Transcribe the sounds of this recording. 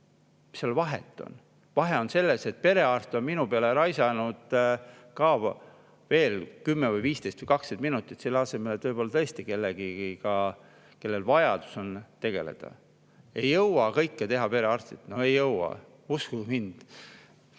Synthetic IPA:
seolvɑɦḛt̪ːˑo̰n | vɑɦe̞o̞nse̞lːese̞t̪̚pe̞ɾe̞ɑrst̪ionminupeɑleɾɑjsɑnud̪̥kɑːv | ve̞ːlkymːevɤjviːst̪e̞jst̪vəjkɑkset̪̚minut̪ːˑit̪selːɑse̞me̞let̪vɤjpo̞lːɑt̪ɤest̪ike̞lːeɡiikɑ | ke̞lːelvɑjɑd̪u̥so̞nt̪e̞ɡ̥e̞̰le̞̰d̪̥ɑ̰ | e̞jːɤwɑkɤjkːet̪e̞ɦɑpe̞ɾe̞ɑrst̪it̪no̞e̞jːɤwɑ̰ | uskukimind̪̥

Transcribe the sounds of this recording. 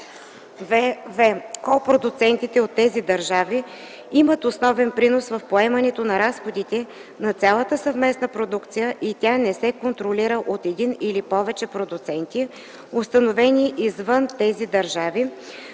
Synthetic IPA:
vvɛkɔpɾod̪ʊt̪sɛnt̪it̪ɛot̪ːɛzid̪ɐɾʒavi | imət̪osnɔvɛnpɾinosvɐfpoɛmɐnɛt̪onɐɾasxod̪it̪ɛ | nɐt̪sʲalˠət̪əsəvmɛsnəpɾod̪ukt̪sijəʔit̪ʲanɛsɛkont̪ɾoliɾəʔot̪ɛd̪inilipɔvɛt͡ʃɛpɾod̪ʊt̪sɛnt̪i | ost̪ɐnovɛniʔizvɤnt̪ɛzid̪ɐɾʒavi

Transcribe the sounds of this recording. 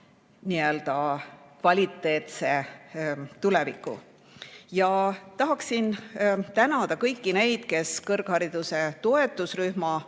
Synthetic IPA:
niø̞ld̪̥ɑkvɑlʲit̪ːˑe̞ːt̪se̞ | t̪ulevikːˑṵ | jɑt̪ɑɦɑksint̪ænɑd̪̥ɑkɤjkːine̞jd̪̥ke̞skɤrɡ̥hɑɾid̪̥use̞t̪o̞e̞t̪ːˑusryhmɑ

